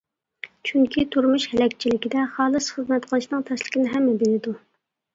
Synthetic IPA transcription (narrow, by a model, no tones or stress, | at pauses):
t͡ʃʰyŋkʲʰit̪ʰuɾmuʃhɛlɛkʲt͡ʃʰilɪkʲid̪ɛχɑːlˠɨsχəzmɛt̪qʰəlˠɨʃnɨŋt̪ʰɛslɪ̥kʲinɪɦɛmːɛbelɪd̪u